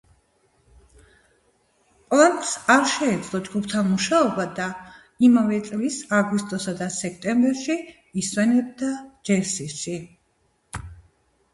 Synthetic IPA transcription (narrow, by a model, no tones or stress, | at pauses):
pʼlˠant̪ʼsaɾʃɛːd̪zlˠɔd͡ʒɡupʰt̪ʰamuʃaɔbad̪a | imavɛt̪sʼlisaɡwist̪ʼɔsad̪asɛkʰt̪ʼɛmbɛɾʃiː | swɛnɛb̚d̪ad͡ʒɛɾsisʃi